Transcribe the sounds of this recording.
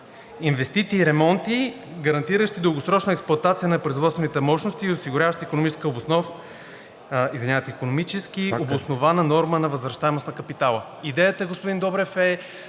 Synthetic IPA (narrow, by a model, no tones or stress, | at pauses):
invɛst̪it̪siːɾɛmɔnt̪i | ɡɐɾɐnt̪iɾəʃt̪id̪əlˠɡosɾɔt͡ʃnəɛksplˠʊɐt̪at̪sijənɐpɾoizvɔt̪t̪vɛnit̪ɛmɔʃnost̪iːosiɡʊɾʲavəʃt̪iikonomit͡ʃɛskəobosnɔv | izvɛnʲat̪ikonomit͡ʃɛskiobosnovanənɔɾmənɐvɐzvɾɐʃt̪aɛmosnɐkɐpit̪alˠə | id̪ɛjət̪əɡospʊd̪ind̪ɔbɾɛfɛ